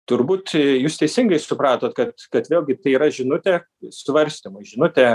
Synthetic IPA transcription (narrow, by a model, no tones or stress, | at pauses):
t̪ʊɾbuːt̪juːst̪ʲɛɪsʲɪŋɡɐɪsʊpɾɑːt̪oːt̪kɐt̪kɐt̪ʋʲeːlʲˠɡʲɪt̪ɐɪiːɾɐʒʲɪnʊt̪ʲɛː | sʋɐɾʲsʲt̪ʲimʊɪʒʲɪnʊt̪ʲɛ